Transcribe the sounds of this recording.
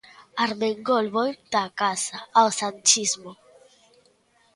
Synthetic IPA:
aɾmeŋɡolβojt̪akasaːwsant͡ʃizmo

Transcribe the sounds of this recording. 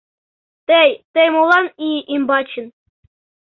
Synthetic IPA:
t̪ejt̪ejmolˠɑniʔimbɑt͡ɕɘn

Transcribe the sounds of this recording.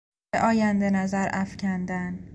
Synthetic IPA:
eʔɒːjænd̪enæzæɾʔæfcʰænd̪æn

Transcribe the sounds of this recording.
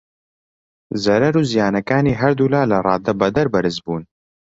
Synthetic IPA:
zɐɾɐɾuːzijaːnɐkaːniːɦɐɾd̪uːlaːlɐrˤɑːd̪ɐbɐd̪ɐɾbɐɾɨzbuːn

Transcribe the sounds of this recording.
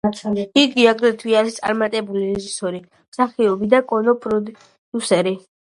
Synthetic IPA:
iɡiaɡd̪ɛt̪ʰwiaɾist̪sʼa̰ɾmat̪ʼɛbuliɾɛʒisɔɾi | msaχiɔbid̪akʼɔnɔpʼɾɔ | d̪̥usɛɾi

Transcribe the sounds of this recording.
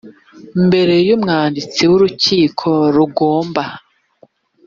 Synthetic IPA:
mbe̞ɾe̞jumŋaːndit͡siwuɾuciːkʰo̞ɾuɡoːmba

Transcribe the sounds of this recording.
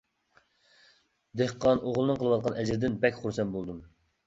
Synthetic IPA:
d̪ehqɑnoʁlˠɨnɨŋqʰəlˠəwɑt̪̚qʰɑnʔɛd͡ʒɾd̪ɪnbɛkʲχuɾsɛnbolˠd̪um

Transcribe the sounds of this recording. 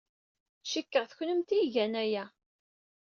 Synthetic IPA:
ʃikːəʁθçnəmt̪iʝænæjæ

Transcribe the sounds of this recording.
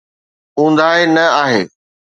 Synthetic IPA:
ɦũːn̆d̪aːɦenɐaːɦeː

